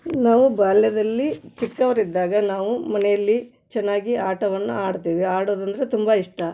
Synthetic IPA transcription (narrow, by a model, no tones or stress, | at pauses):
naːʋubaːljɐd̪ɐlːit͡ʃikːɐʋɐɾid̪ːaːɡɐnaːʋumɐnɛjɐlːi | t͡ʃɛnːaːɡiaːʈɐʋɐnːṵaːɽt̪iːʋiaːɽoːd̪ɐnd̪ɐɾet̪umbɐiʂʈɐ